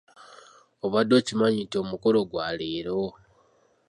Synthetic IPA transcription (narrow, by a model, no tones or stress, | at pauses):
oβadːo̞ːcimaɲitio̞mukolo̞ɡwaliːɾo